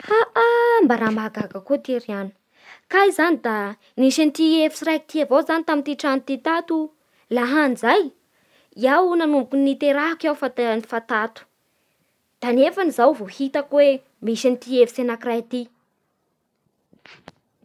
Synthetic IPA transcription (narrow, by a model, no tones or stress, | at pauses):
haʔambaɾamaɡaɡəkut̪eɾianə̥ | kajzanid̪a | niʃant̪iefi̥sirajt̪iavowzanit̪amint̪iʈ͡ʂant̪it̪at̪u | laɦand͡zaj | iawnanumbukunːit̪eɾaɦakawfat̪nifat̪at̪u̥ | d̪̥anefanizawvohit̪əkwe | miʃanit̪iefi̥senakirajt̪i